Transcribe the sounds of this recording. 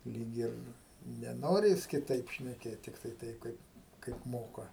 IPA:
ˈlʲiːk ɪr nʲɛˈnoːrʲɪ ˈjɪs kʲɪˈtɐɪp ʃʲnʲɛˈkʲeːt tʲɪkˈtɐɪ ˈtɐɪp ˈkɐɪp kɐɪp ˈmoːkɐ

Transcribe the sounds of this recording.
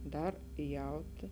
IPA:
ˈdɐr ˈjɛʊtʲɪ

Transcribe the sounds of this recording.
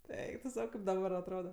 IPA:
ˈɛɪk tʊ ˈsɐʊ ˈkɐɪp dɐˈbɐr ɐtˈroːdɐ

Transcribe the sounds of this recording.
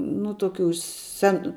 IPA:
nʊ toːˈkʲuː ˈsʲɛn

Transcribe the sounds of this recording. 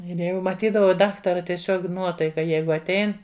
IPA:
ˈɪr ˈjɛʊ mɐˈtʲiːdɐʋɐʊ ˈdɑːktɐrɐ tʲiɛˈsʲoːk ˈnuɔtɐɪkɐ ˈjɛɪɡʊ ɐtʲˈɛɪn

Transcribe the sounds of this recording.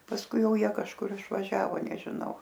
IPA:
pɐsˈkʊɪ ˈjɛʊ ˈjiɛ kɐʃˈkʊr ɪʃʋɐˈʒʲæːʋoː nʲɛʒʲɪˈnɐʊ

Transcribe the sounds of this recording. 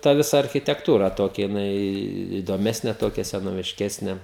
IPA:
tɐ ˈʋʲɪsɐ ɐrʲxʲɪtʲɛkˈtuːrɐ ˈtoːkʲɛ jɪˈnɐɪ iːdoːˈmʲæːsʲnʲeː ˈtoːkʲɛ sʲɛnoːʋʲɪʃʲˈkʲæːsʲnʲeː

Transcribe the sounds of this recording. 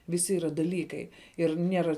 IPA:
ʋʲɪˈsʲɪ iːˈrɐ dɐˈlʲiːkɐɪ ɪr ˈnʲiɛrɐ

